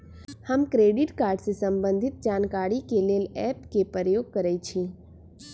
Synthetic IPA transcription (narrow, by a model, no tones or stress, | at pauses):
həmkɾeɖɪʈkaːɾɖsesəmbə̃nd̪ʱɪt̪̚d͡ʒaːnkaːɽikeleːlɛpkepəɾəjoːɡ̚kəɾɛt͡ʃʰĩ